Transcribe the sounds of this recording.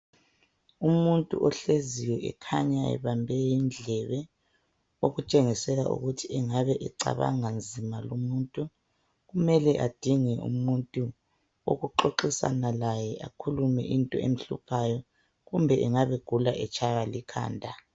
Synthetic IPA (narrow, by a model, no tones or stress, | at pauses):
umuntʼṵʔɔɬeziwɛʔɛ̰kʰaɲaɛ̰βambʱɛjind͡ɮʱɛβɛ | oɣut͡ʃʼeŋisɛla̰ʔṵɣutʰiɛŋaβɛʔɛǀa̰βa̰ŋand͡zʱimalomuntʼu | ɣumɛlɛʔad̥ʱiŋɛʔṵmuntʼu | o̰ɣuǃoǃisa̰nalajɛʔakʰulumɛ̰ʔintʼɔ̰ḛm̩ɬṵpʰajɔ | ɣumbʱɛʔɛŋaβeɡ̥ʱulaʔɛt͡ʃʰʼajalikʰa̰ːndʱa